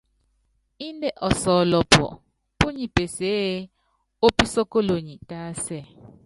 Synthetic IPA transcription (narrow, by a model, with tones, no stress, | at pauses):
i˦ndɛ˦˨ʔɔ˨sɔ˨lɔ˨pʰɔ̰˨ | pu˦ɲi˨pʼe˨se˦ | o˦pi˦sɔ˦ko˦lo˨ɲi˨tʼaː˦sɛ˨